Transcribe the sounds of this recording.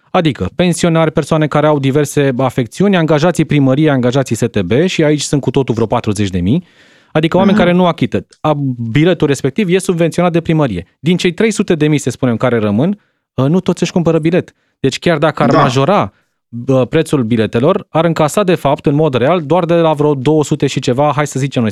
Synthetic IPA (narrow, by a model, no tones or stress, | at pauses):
ad̪ikəpe̞nsio̞narʲpersoane̞kaɾeawd̪ive̞rse̞afe̞k̚t̪siunʲaŋɡaʒat̪sijpɾiməɾieaŋɡaʒat̪sijse̞t̪e̞be̞ʃiait͡ʃʲsunt̪̚kut̪o̞t̪ulvɾeopat̪ɾuze̞t͡ʃʲd̪e̞mij | ad̪ikəowame̞nʲkaɾe̞nuakʲit̪ə | abile̞t̪ulre̞spe̞k̚t̪ivje̞subvent̪sio̞nat̪d̪epɾiməɾije̞d̪int͡ʃe̞jt̪ɾe̞jsut̪e̞d̪e̞mijsespune̞mkaɾe̞ɾəmɨn | ənut̪o̞t̪sʲəʃʲkumpəɾəbile̞t̪ | d̪̥e̞t͡ʃʲkʲard̪akəarmmaʒo̞ɾa | əpɾe̞t̪sulbile̞t̪e̞lo̞raɾɨŋkasad̪e̞fapt̪ɨnmo̞d̪re̞ald̪oard̪elavɾod̪o̞wəsut̪e̞ʃit͡ʃe̞vaɦajsəzit͡ʃemnoj